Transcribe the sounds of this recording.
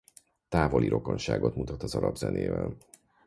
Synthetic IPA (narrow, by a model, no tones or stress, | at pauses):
t̪aːvo̞liɾo̞ko̞nʃaːɡo̞t̪mut̪ɒt̪ɒzɒɾɒbzɛneːvɛl